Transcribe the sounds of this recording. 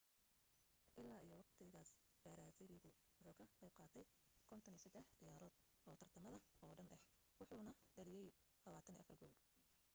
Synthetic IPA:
ʔɪlːaːijɔwɑqt̪ʰɪɣaːsb̥ɐɾaːsɪɾɪɣʊ | wʊħuːkʰɐqɛjb̚qɑːt̪ʰɛjkʰɔnt̪ʰɐnisɐd̪ɛħd̪̥ɪjaːɾɔːd̪̥ | ɔːt̪ʰɐrt̪ʰɐmɐðɐɔːɖɐnʔɐh | wʊħuːnɐɖɐɾɪjɛj | lɐβaːt̪ʰɐnḭʔɐ̰fɐrɡɔːl

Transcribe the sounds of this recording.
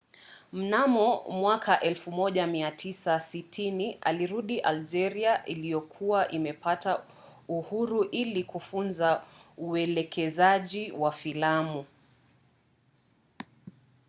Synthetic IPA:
m̩namɔmwakʰaʔɛlfumɔʄamiatʰisasitʰiniʔa̰liɾuɗiʔald͡ʒɛɾiaʔilijɔkʰuwaʔimɛpata | uhuɾuʔilikufunzauɛlɛkɛzaʄiwafilamu

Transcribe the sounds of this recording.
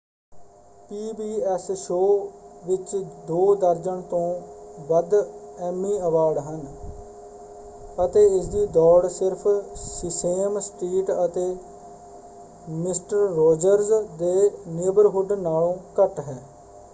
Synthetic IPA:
piːbiːɛsʃoːʋɪt͡ʃd̪oːd̪əɾd͡ʒəɳt̪õːʋəd̪ɛːmːĩːəʋaːɾɖɦən | ət̪eːɪsd̪iːd̪ɔːɽsɪɾpʰsɪseːmsʈɾiːʈət̪eː | mɪsʈəɾːoːd͡ʒəɾzd̪eːneːbəɾɦʊɖnaːɭõːkəʈɦɛː

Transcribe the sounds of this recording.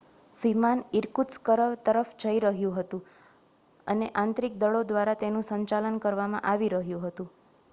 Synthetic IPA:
ʋimaniɾkuskəɾəʋt̪əɾəfd͡ʒʱəiɾəɦjũɦət̪ũ | əneʔãnt̪ɾik̚d̪əɭod̪ʋaɾat̪enũsəɲt͡ʃalənkəɾʋamã̰ʔaʋiɾəɦjũɦət̪ũ

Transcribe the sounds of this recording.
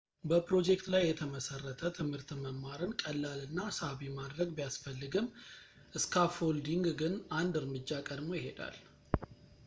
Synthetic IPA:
bəpɾo̞d͡ʒe̞k̚t̪lajːɛt̪ʰəməsərːət̪ʰət̪ʰɨmhɨɾt̪məmːaɾɨnkʼəlːalɨnːasaβimad̪ɾəɡbijasfəlːɨɡɨm | ʔɨskʰafo̞ld̪iŋɡɡɨnand̪ɨɾmɨd͡ʒːakʼəd̪mo̞jɪɦe̞d̪a̰l

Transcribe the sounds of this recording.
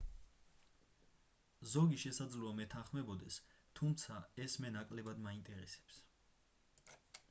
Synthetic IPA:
zɔɡiʃɛsad̪zluamɛt̪ʰanχmɛbɔd̪ɛst̪ʰumt̪sʰaɛsmɛnakʼlɛbad̪maint̪ʼɛɾɛsɛ̥ps

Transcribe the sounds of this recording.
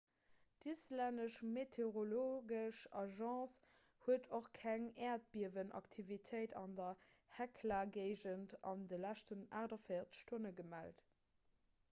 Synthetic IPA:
dislændəʃmetʰeʁoloɡəʃɑʒɑ̃ːs | huətoχkʰæŋɛːɐt̚b̥iɐvənʔɑ̰ktʰivitʰəɪtʰɑ̰ndɐ | hɛkʰlaɡeɪʒəntɑ̰ndəlæʃtəna̰ːʁdɐfəɪɐtʃtonəɡəmælt

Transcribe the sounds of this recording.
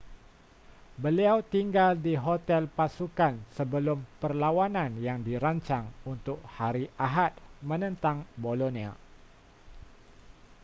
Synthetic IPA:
bəliawt̪iŋɡaldiɦot̪ɛlpasukansəbəlʊmpərlawananjaŋdiɾaɲt͡ʃaŋunt̪ʊk̚haɾiʔaɦat̪̚mənənt̪aŋbolonia̰

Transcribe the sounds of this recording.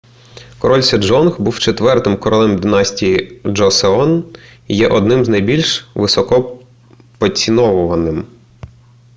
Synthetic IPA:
kɔɾɔlʲsʲɛd͡ʒɔnxbuwt͡ʃet̪ʋɛrt̪ɪmkɔɾɔlˠɛmd̪ɪnɑsʲtʲijid͡ʒɔseɔnjɛʔɔd̪̚nɪmznɐjbʲilʲʃʋɪsɔkɔ | pɔt͡sʲinɔʋʊʋɐnɪm

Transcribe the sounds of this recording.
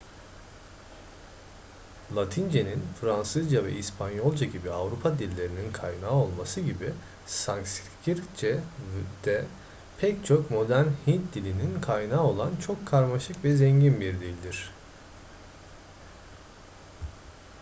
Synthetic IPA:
lˠat̪ʰind͡ʒeninfɾansɯzd͡ʒavɛ̰ʔispʰanjo̞lˠd͡ʒaɟibiavɾupʰad̪ilʲːe̞ɾininkʰajnaːo̞lˠmasɯɟibi | saŋkscʰiɾt͡ʃɛvd̪̥ɛ | pʰɛct͡ʃʰo̞kmo̞d̪æɾnhint̪̚d̪ilʲininkʰajnaːo̞lˠant͡ʃʰo̞kʰːaɾmaʃɯkvɛzɛɲɟinbiɾd̪ʲilʲid̪ʲiɾ̝̥

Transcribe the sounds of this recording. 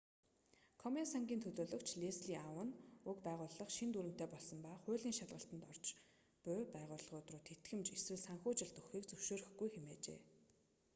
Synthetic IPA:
kʰɔmensaŋɡʲiːnt̪ʰɵɮoːɮɵ̆kt͡ɕʰɮesɮiːʔawə̆nɵkpæːʁʊːɮə̆χʃint̪uːɾɘ̆m̥t̪eːpɔɮsɞ̆mpaːχʊːɮiːŋʃaɮʁə̆ɬt̪ə̆nt̪ɔr̥t͡ɕ | pʊpæːʁʊːɮə̆χʊt̪rʊːt̪ʰːet̪ɡɘ̆mt͡ɕeswɘ̆ɮsaŋxʊːt͡ɕɪ̆ɮt̪ɵxiːkt͡sɵwʃoːɾɘ̆xɡujxemeːt͡ɕḛː

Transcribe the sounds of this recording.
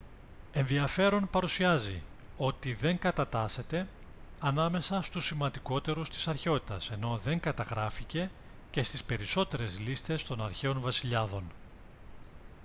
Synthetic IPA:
e̞nðiɐfe̞ɾo̞npɐɾusiɐzḭ | o̞t̪iðe̞ŋkɐt̪ɐt̪ɐse̞t̪e̞ | ɐnɐme̞sɐst̪usːimɐnd̪iko̞t̪e̞ɾust̪i̥sɐɾçeo̞t̪i̥t̪ɐse̞no̞ðe̞ŋkɐt̪ɐɣɾɐfice̞ | ce̞st̪ispe̞ɾiso̞t̪e̞ɾe̞zlist̪e̞st̪o̞nɐɾçe̞onvɐsiʎɐðo̞n

